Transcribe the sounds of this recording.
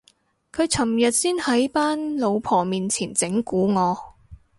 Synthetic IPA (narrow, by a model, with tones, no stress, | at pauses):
kʰɵ˨˧ɥt͡sʰɐ˨˩mjɐ˨t̚siː˥nhɐ˨˥jpaː˥nlo˨˧wpʰɔː˨˩miː˨nt͡sʰiː˨˩nt͡sɪ˨˥ŋkuː˨˥ŋɔː˨˧